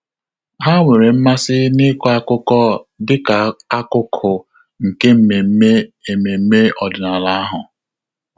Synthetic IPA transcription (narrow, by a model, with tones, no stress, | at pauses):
ɦa˦ŋʷe˨ɾe˨m̩˦ma˦sɪ˦nɪ˦kɔ˦a˦kʊ˦kɔ˦dɪ˦ka˨a˦kʊ˦kʰʊ˨ | ŋ̩˨ke˦m̩˨me˨˦me˦e˨me˨m̩˦me˦ɔ˨dɪ˨na˨la˦a˦ɦʊ˨